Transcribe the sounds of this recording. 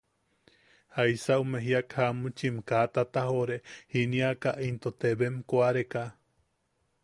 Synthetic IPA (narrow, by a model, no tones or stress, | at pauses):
haisaumeɦiakhamut͡ʃimkat̪at̪aɦoɾehiniakaʔint̪ot̪eβemkoaɾeka